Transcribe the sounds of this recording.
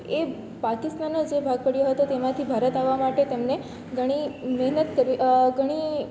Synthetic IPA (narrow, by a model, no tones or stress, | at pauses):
e | pakɪst̪anːod͡ʒebʱaɡ̚pəɽjoɦət̪ot̪emãt̪ʰibʱaɾət̪aʋːamaʈet̪emne | ɡʱəɽ̃imɛɦnət̪kəɾʋiɡʱəɽ̃i